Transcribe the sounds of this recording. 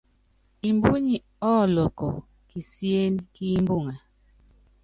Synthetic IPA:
i˨mbu˦ɲi˨ | ɔ˦lɔ˨kɔ˨ | ki˨sje˦nki˦mbu˦˨ŋa˨

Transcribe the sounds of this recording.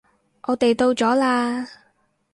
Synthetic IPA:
ʔɔː˨˧t̪e˨jt̪o˧wt͡sɔː˨˥laː˧

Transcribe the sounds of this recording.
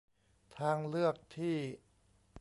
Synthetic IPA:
t̪ʰaː˧ŋlɯ˥˩ək̚t̪ʰiː˥˩

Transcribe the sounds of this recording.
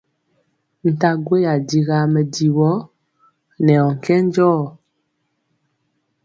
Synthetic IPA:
n̩˨ta˦ɡwe˦ja˨di˦ɣa˦mɛ˨di˨wɔ˦ | nɛ˨ɔ˨ŋ̩˨kɛ˦n˦d͡ʒɔː˦˨

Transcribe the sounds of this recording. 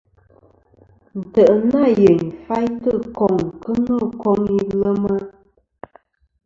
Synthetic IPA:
n̩˨tə˨ʔna˦˨je˨ŋ˨fa˦jtə˦kɔ˨ŋ̩˨kə˦nə˦˨kɔ˦ŋi˦lə˦mə˦

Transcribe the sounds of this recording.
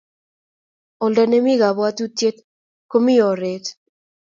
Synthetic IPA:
ɔ˨ldɛ˨ne˦mi˦ɣa˨βwa˦t̪u˦tje˦t̪̚ | ko˦mi˦jɔ˨ɾe˨t̪

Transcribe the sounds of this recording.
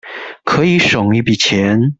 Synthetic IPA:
kʰɤ˧˥i˧˥ʂo˨˩ŋy˧˥pi˨˩t͡ɕʰjɛ˧˦˥n

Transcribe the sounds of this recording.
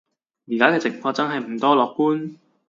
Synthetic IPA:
jiː˨˩kaː˨˥kɛː˧t͡sɪ˨˩ŋfɔː˧t͡sɐ˥nɦɐ˨jm̩˨˩t̪ɔː˥lɔː˨k̚puː˥n

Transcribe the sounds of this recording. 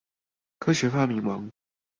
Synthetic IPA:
kʰɤ˥ɕɥɛ˨˧˥fa˥˩mi˧˥nwɑ˧˥ŋ

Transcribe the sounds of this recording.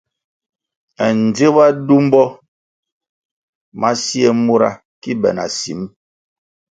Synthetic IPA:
ɛ˨n˨d͡ze˦ba˦du˦m˦bɔ˦ | ma˦si˦ɛ˦mo˦ɾa̰˦ | ki˦bɛ˨na̰˨si˨˦m

